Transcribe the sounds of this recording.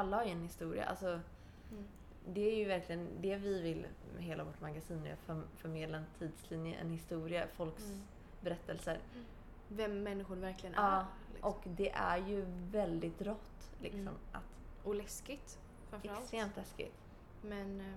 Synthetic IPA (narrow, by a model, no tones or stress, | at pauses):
alːahaɾjɵɛnhɪst̪uːɾɪ̰a̰ʔa̰lsɔ | d̪ɛæɾjɵvæɾklɪɡənd̪ɛvɪvɪlɦeːlavɔʈːmaɡasiːnːɛ̰ja̰fœfœɾmeːd̪laɛnt̪ʰiːd̪slinjə̰ʔɛ̰nhɪst̪uːɾɪafɔlks | bɛɾɛt̪ːɛlsəɾ | vɛmːɛnːɪɧʊɾvæɾklɪɡənɑː | ʔɔkd̪ɛʔæɾjɵvɛld̪ɪt̪̚ɾɔt̪ːlɪ̰ksɔ̰mʔa̰t̪ʔɔlɛskɪt̪ | fɾamfɛɾast̪ɾeːmt̪lɛskɪ̰t̪ | mɛn